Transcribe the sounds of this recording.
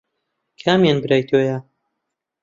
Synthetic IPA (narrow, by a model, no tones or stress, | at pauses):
kʰaːmjanbɨɾaːjt̪ʰoːja